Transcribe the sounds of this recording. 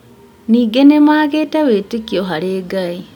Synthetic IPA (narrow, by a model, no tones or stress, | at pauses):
niːɡenemaːɣeːtaβeːtekiɔɦaɾeːɡai